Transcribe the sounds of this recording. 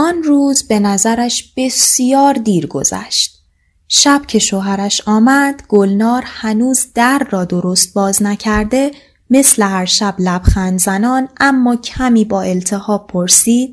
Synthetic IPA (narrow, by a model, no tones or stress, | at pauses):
ʔɒnruːzbe̞næzæɾæʃb̥e̞sijɒːɾd̪iːɾɡo̞̰zæ̰ʃt̪̚ | ʃæb̥cʰe̞ʃoɦæɾæʃɒːmæd̪̥ɡ̥olnɒːɾhænuːzd̪̥æɾːɒːd̪o̞ɾo̞st̪̚bɒːznæcʰæɾd̪e̞ | me̞sle̞hæɾʃæblæb̥xænd̪zænɒːnʔæmːɒːcʰæmiːbɒːe̞lt̪ʰe̞hɒːb̚pʰoɾsiːd̪̥̚